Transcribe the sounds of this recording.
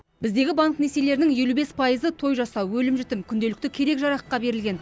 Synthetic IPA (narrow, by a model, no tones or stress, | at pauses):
bɪz̪d̪e̞ɡʲɪbaŋkne̞se̞le̞ɾɪnɪŋje̞lube̞spʰɑjəzət̪ʰo̞jʒɑsɑwwɵlɪmʒɪt̪ɪmkʲʰʏnd̪e̞lɪk̚t̪ɪkʲʰe̞ɾe̞kʒɑɾɑqːɑbe̞ɾɪlɡʲe̞n